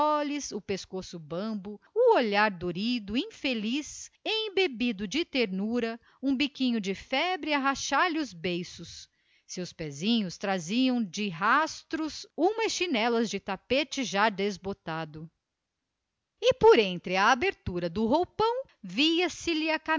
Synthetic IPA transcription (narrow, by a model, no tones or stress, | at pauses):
ɔlisʊpeskosʊbɐ̃bʊʊoʎaɾd̪oɾid̪ʊĩfelisẽj̃bebid̪ʊd͡ʒɪt̪eɾnuɾɐ | ũbikĩɲʊd͡ʒɪfɛbɾɪaɦaʃaɾlɪʊzbejsʊs | sewspɛzĩɲʊst̪ɾaziɐ̃w̃d͡ʒɪɦast̪ɾʊsũmɐsʃinɛlɐzd͡ʒɪt̪apet͡ʃɪʒad̪ezbot̪ad̪ʊ | ɪpoɾẽnt̪ɾɪɐːbeɾt̪uɾɐd̪ʊɦowpɐ̃w̃ | viɐsɪlɪɐka